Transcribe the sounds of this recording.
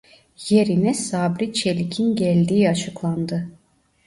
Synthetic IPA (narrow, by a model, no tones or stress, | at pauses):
je̞ɾinɛsaːbɾit͡ʃʰelʲicʰinɟælʲd̪iːat͡ʃʰɯklˠand̪ɯ